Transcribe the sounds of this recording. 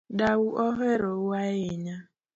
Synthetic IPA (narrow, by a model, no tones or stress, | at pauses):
dawuʔɔɦeɾowaɪɲa